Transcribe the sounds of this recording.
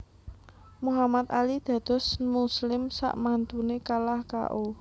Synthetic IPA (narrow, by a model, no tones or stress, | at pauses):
muɦamat̪̚alid̪̥ä̤d̪̥ɔ̤smuslɪmsa̰ʔmant̪unekalahka̰ʔu